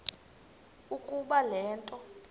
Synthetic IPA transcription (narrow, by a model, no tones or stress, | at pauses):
ukʼuɓalɛːntʼɔ